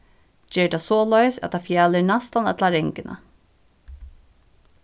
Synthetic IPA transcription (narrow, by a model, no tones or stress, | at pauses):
d͡ʒɛːɹt̪asɔːlœɥjsɛ̰t̪ʰafjaːlɪnast̪anɛ̰t̪laɾɛŋkɪnʔa̰